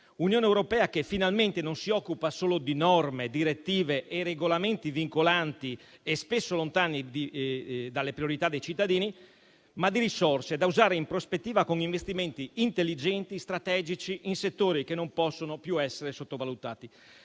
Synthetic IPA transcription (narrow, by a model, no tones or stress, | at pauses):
unjoːneewɾopɛːakefːinalment̪enonsiɔkːupasoːlod̪inɔrmed̪iɾet̪ːiːveʔereɡolament̪iviŋkolant̪iespesːolont̪aːnid̪id̪alːepɾijoɾit̪ad̪ːejt͡ʃit̪ːad̪iːni | mad̪ːiɾisorsed̪auzaːɾeimpɾospet̪ːiːvakoŋiɱvest̪iment̪iint̪elːid͡ʒɛnt̪ist̪ɾat̪ɛːd͡ʒit͡ʃiʔinset̪ːoːɾikenːompɔsːonopjuɛsːeɾesot̪ːovalut̪aːt̪i